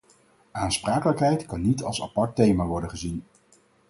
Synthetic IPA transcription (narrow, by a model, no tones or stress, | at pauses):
aːnspraːkələkɦɛjtkɑnːitɑlˠsa̰pɑɹtːejmaːʋɔɹdənχəzin